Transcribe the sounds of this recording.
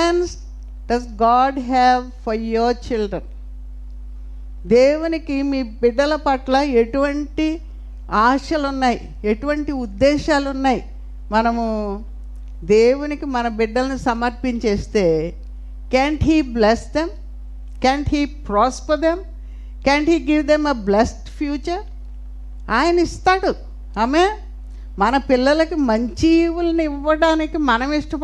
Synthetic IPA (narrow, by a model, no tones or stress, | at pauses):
ans | ɖɐsɡaːɖɦɛʋfɐɾjoɾt͡ʃilɖɾɐn | d̪eːwunikimiːbiɖːɐlɐpɐʈlɐe̞ʈuʋɐɳʈi | aːʃɐlunːaːjḭ | eʈuʋɐɳʈiud̪ːɛːʃaːlunːaːji | mɐnɐmu | d̪eːwunikimɐnɐbiɖːɐlɐnusɐmɐɾpiɲt͡ʃeːst̪e̞ː | keːɳʈɦiːblesd̪em | kaːɳʈɦiːpɾaːspɐɾd̪em | keːɳʈhiːɡiʋd̪emeblesʈpʰjuːt͡ʃɐɾ | aːjɐnɐist̪aːɽu | ɐmeː | mɐnɐpilːɐlɐkimɐɲt͡ʃiwulɐniiʋːɐɽaːnikimɐnɐmiʂʈɐp